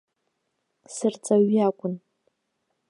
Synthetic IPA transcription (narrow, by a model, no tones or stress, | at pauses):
sɨrt͡sʼaɥakʷʼʊn